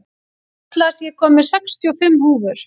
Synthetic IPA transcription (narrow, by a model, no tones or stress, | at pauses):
t̪lasjɛkʰɔːmɪ̥sɛkst̪ʰjɔfɪmːhuːvʏɾ̥